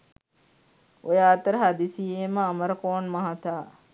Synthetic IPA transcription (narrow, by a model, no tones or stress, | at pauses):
ojaːt̪əɾəɦad̪isieːməːmɐɾɐkoːnmɐɦɐt̪aː